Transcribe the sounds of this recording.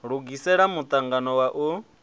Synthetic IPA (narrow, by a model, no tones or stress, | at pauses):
ɺuɡisɛɺamut̪ʼaŋɡanɔwaʔu